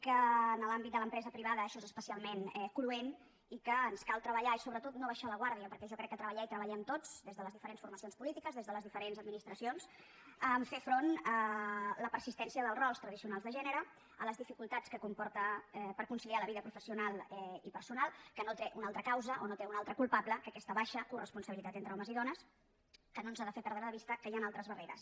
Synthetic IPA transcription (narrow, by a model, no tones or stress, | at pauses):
kəːnəlambit̪d̪ələmpɾɛzəpɾiβaðəːʃɔezəspəsialˠmenɛkluen | ikəːnskalˠt̪ɾəβəʎaisoβɾət̪ot̪noβaʃaləɣwaɾðiəpəɾkɛʒɔkɾɛkːət̪ɾəβəʎɛit̪ɾəβəʎɛmt̪od͡zd̪ezðələzðifəɾensfurməsionspulit̪ikəzðezðələzðifəɾenzəd̪minist̪ɾəsions | əɱfefɾonələpəɾsist̪ɛnsiəðəlˠrɔlˠst̪ɾəðisiunalˠzðəʒɛnəɾə | ələzðifikulˠt̪at͡skəkumpɔɾt̪əɛpəɾkunsilialəβiðəpɾufəsiunalˠɛipəɾsunalˠkənot̪eʔunalˠt̪ɾəkawzəʔonot̪eunalˠt̪ɾəkulˠpabləkəkɛst̪əβaʃəkurəspunsəβilit̪at̪ent̪ɾəɔməziðɔnəs | kənonzaðəfepɛɾðɾəðəβist̪əkəjanalˠt̪ɾəzβəreɾə̰s